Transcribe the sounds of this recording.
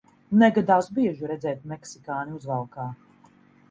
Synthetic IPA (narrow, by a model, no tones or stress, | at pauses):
nɛɡad̪awsbiɛʒiɾɛd̪zɛːt̪̚mɛksikaːniuzvalˠkaː